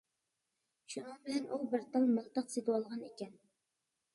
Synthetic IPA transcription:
ʃunɨŋbɪlɛnʔubɪɾt̪ɑlməlˠt̪əqset̪əwɑlˠʁɑnekʲɛn

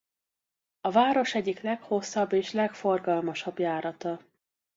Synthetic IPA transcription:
ɒvaːɾo̞ʃɛɟːiklɛkho̞sːɒbːeːʃlɛkfo̞rɡɒlmɒʃɒbjaːɾɒt̪ɒ

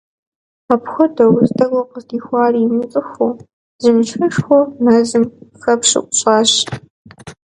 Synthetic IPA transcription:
ɐpxʷɔdɐwztʼɐɡʷɔqəzdiːxʷɑːriːmɨt͡sʼɨxʷʊ | zɨmt͡ʃxɐʂxʷɔmɐzɨmxɐpʂɨ̰kʷʼʊɕʼɑːɕ

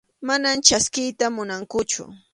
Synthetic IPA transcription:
manamt͡ʃaskɪjt̪amʊnaŋkʊt͡ʃʊ̰

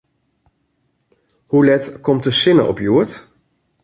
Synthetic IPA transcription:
hulɛtkʰɔmtəsɪnə̰ʔɔ̰pjuət

